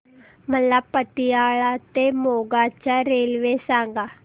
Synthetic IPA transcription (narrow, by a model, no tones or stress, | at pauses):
m̤əlapət̪ijaɭat̪emoɡat͡ɕjaɾelʋesãŋɡa